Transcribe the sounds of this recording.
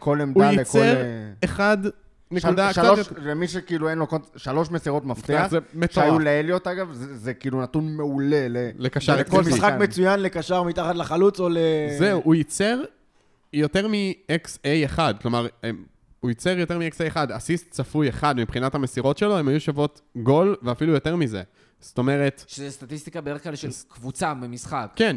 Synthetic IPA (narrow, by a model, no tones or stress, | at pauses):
kʰolemduajit͡skleʁeχad | neud̪akʃaolemiʃekiːluenlokoʃalo̞ʃmesiʁo̞tmafteazemetʃajuleeljo̞taɡavzezekiilunat̪unmeulelelekaʃaʁkolmisχakmet͡sujanlekaʃaʁmitaχat̪laχalut͡solezeuʔujit͡seʁ | jo̞te̞ʁmieksejeχad̚klo̞maʁem | ujit͡se̞ʁjo̞te̞ʁmieksejeχadasistt͡safujeχad̪mipχinatame̞siʁo̞tʃe̞lo̞emajuʃavo̞t | ɡo̞lveafilujo̞te̞ʁmize̞̰ | sto̞me̞ʁe̞tʃezɛst̪atist̪ikabedeeklaliʃelkvut͡sabemisχakkːen